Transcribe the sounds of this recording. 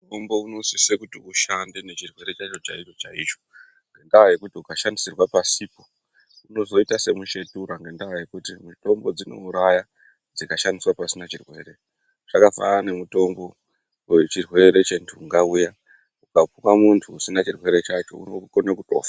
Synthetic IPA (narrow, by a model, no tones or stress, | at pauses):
muto̞mbo̞unosisekutiuʃandene̞t͡ʃirwe̞ɾe̞t͡ʃat͡ʃo̞t͡ʃait͡ʃo̞t͡ʃait͡ʃo̞̥ | ŋɡe̞ndawaje̞kutiukaʃandisirwapasipo̞ | uno̞zo̞itase̞muʃe̞tuɾaŋɡe̞ndawaje̞kutimuto̞mbo̞d͡zino̞̰uɾaja | d͡zikaʃandiswapasinat͡ʃirwe̞ːre̞ | ʐ̥akafa̰ːne̞muto̞mbo̞ | wet͡ʃirwe̞ɾe̞t͡ʃe̞ntʰuːŋɡauja | ukapuwamuntʰuːsinat͡ʃirwe̞ɾe̞t͡ʃat͡ʃo̞̰ṵnokonakuto̞̰ːfḁ